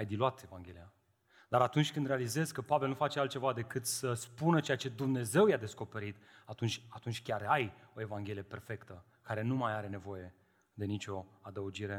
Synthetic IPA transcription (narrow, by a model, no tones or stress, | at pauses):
ajd̪iluat̪e̞vaŋɡʲe̞lija | d̪aɾat̪unt͡ʃʲkɨnd̪ɾe̞alize̞zkəpave̞lnufat͡ʃe̞alt̪̚t͡ʃe̞vad̪e̞kɨt̪səspunət͡ʃe̞jat͡ʃe̞d̪umne̞ze̞wjad̪e̞sko̞pe̞ɾit̪ | at̪unt͡ʃʲat̪unt͡ʃʲkʲaɾajo̞e̞vaŋɡʲelije̞pe̞rfe̞kt̪ə | kaɾe̞numajaɾe̞ne̞vo̞je̞ | d̪e̞nit͡ʃʲo̞ad̪əud͡ʒiɾe̞